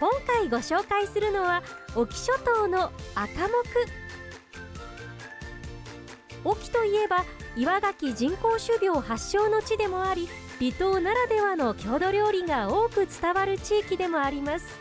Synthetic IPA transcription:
kõ̞ŋkaiɡo̞ɕo̞ːkaisɨɾɯ̟no̞βaokʲi̥ɕo̞t̪o̞ːno̞akamo̞kɯ̟ | o̞kʲi̥t̪o̞ie̞ba | iβaɡakʲid͡ʑĩŋko̞ːɕɨbʲo̞ːhaɕːo̞ːno̞t͡ɕid̪e̞moaɾʲi | b̥ʲit̪o̞ːnaɾad̪e̞βano̞kʲʰo̞ːd̪o̞ɾʲo̞ːɾʲiɡao̞ːkɯ̟t͡sɨ̥t̪aβaɾɯ̟t͡ɕiːkʲid̪e̞mo̞aɾʲimasɨ̥

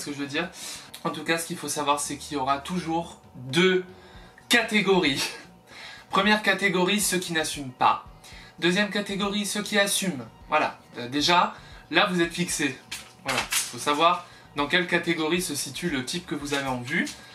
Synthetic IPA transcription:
sə̥kəʒəvød̪iʁɑ̃t̪ukasə̥kʲilfosavwaʁsɛkʲiljɔʁat̪uʒuʁ | d̪ø | kat̪eɡɔʁi | pχəmjɛʁkat̪eɡɔʁisəkʲinasympa̰d̪øzjɛmkat̪eɡɔʁisəkʲiasymvwala̰əd̪eʒalavuzɛt̪fikse | vwala̰ifosavwaʁ | d̪ɑ̃kʲɛlkat̪eɡɔʁisəsit̪ʰylət̪ʰipkəvuzaveɑ̃vy

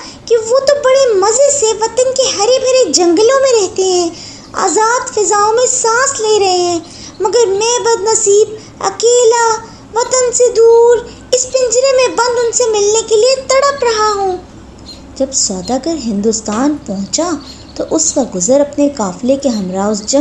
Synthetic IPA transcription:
kiʋot̪obɐɽemɐzeseʋɐt̪ənkeɦɐɾebʱɐɾed͡ʒɐ̃ŋɡəlõmẽɾɛɦt̪eɦɛ̃ː | a̰ːzaːd̪fɪzaːõmẽsãːsleːɾɐɦeɦɛ̃ː | mɐɡəɾmɛ̃ːbɐd̪nɐsiːb | ɐ̰keːla | ʋɐt̪ənsed̪uːɾ | ɪspɪ̃nd͡ʒɾemẽbɐ̃nd̪ʊnsemɪlnekeliet̪ɐɽəpɾɐɦaɦũː | d͡ʒɐbsaːd̪aɡəɾɦɪ̃nd̪ʊst̪aːnpɐɦʊ̃t͡ʃa | t̪oʔʊskaɡʊzəɾɐpnekaːflekeɦɐmɾaːzd͡ʒɐ

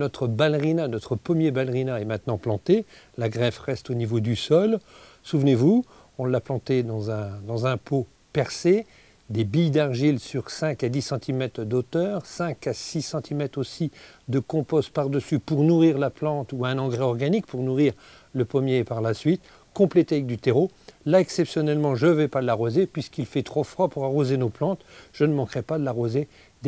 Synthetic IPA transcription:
nɔt̪χəbalʁinanɔt̪χəpɔmjebalʁinaɛmɛ̃t̪nɑ̃plɑ̃t̪e | laɡʁɛvʁɛst̪onivod̪ysɔl | suvnevu | ɔ̃ləlaplɑ̃t̪ed̪ɑ̃zɛ̃d̪ɑ̃zɛ̃po | pɛʁse | d̪ebijd̪aʁʒilsyʁsɛ̃kad̪isɑ̃t̪ʰimɛt̪χəd̪ot̪œːʁsɛ̃kasisɑ̃t̪ʰimɛt̪χosid̪əkɔ̃pɔst̪̚paʁd̪əsypuʁnuʁiʁlaplɑ̃t̪uɛ̃nɑ̃ɡʁɛɔʁɡanik̚puʁnuʁiʁ | ləpɔmjeːpaʁlasɥit̪ | kɔ̃plet̪eavɛk̚d̪yt̪eʁolaɛksɛpsjɔnɛlmɑ̃ʒəvɛpad̪əlaʁozepɥiskilfɛt̪χofχwapuʁaʁozenoplɑ̃t̪ʒ̥ənəmɑ̃kχɛpad̪əlaʁoze | d̪

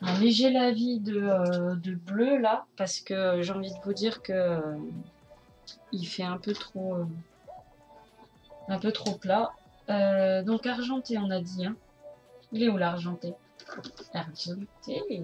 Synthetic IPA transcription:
ɛ̃mɛʒɛlavid̪əød̪əblølapaʁsə̥kəʒeɑ̃vid̪əvud̪iʁkəø | ilfɛɛ̃pøt̪χoø | ɛ̃pøt̪χopla | ød̪ɔ̃kaʁʒɑ̃t̪eɔ̃nad̪iɛ̃ | ilɛolaʁʒɑ̃t̪e | aʁʒɑ̃t̪ʰe

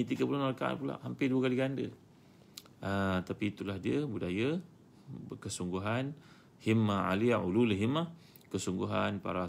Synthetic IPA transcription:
ɲit̪iɡəpulanmaɾakaʔa̰npula̰ʔhampɪduəkaliɡandə̰ | ət̪apiːt̪ulahdiəbudajə | kəsuŋɡuɦan | himaa̰liaʔululɦimah | kəsuŋɡuɦanpa̰ɾa

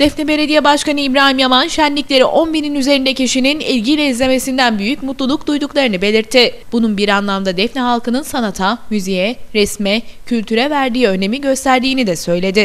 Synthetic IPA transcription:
d̪̥ɛfnɛbe̞lʲed̪ijɛbaʃkanɯibɾaːnimjamanʃænlːʲiclʲe̞ɾiʔo̞nbiɾinyze̞ɾind̪ɛcʰiʃininilʲɟilʲɛizlʲe̞me̞sind̪ænbyjycmut̪lˠulˠuk̚d̪ujd̪uklˠaɾɯnɯbe̞lʲiɾt̪ʰːɪb̥ununbiɾanlˠamd̪ad̪ɛfnɛɦalˠkɯnɯnsanat̪ʰamyzijɛɾɛsmɛcʰylʲt̪ʰyɾɛvæɾd̪iːø̞ne̞miɟø̞st̪ʰæɾd̪iːnid̪ɛsø̞jlʲe̞d̪ɪ

